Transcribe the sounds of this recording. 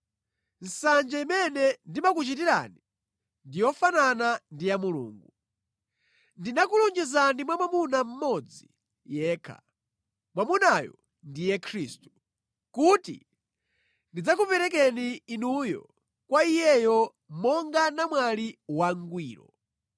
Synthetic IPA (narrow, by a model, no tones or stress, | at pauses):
n̩sand͡ʒaimɛnɛndimakut͡ʃitiɾa̰ni | ndijɔfananandijamulṵːŋɡu | ndinakulund͡ʒizandimwamwamunam̩mɔd͡zi | jɛːkʰa̰ | mwamunajɔ̰ | ndijɛkʰɾiːstu̥ | kutḭ | ndid͡zak̬upɛɾɛk̬ɛniːnujɔ̰ | kwaijɛjɔ | mɔŋɡanamwaliwaŋɡwiːɾɔ̰